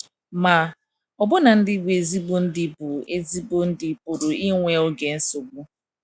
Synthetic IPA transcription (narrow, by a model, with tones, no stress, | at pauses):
ma˨ | ɔ˨bʊ˦na˨n̩˦dɪ˦ɡ͡bʷe˦e˨zi˦bo˦n̩˦dɪ˦˨bʊ˨e˦zi˦bo˦n̩˦dɪ˨pʊ˨ɾʊ˨i˦ŋʷe˦o˦ɡe˨n̩˦so˨ɡ͡bu˦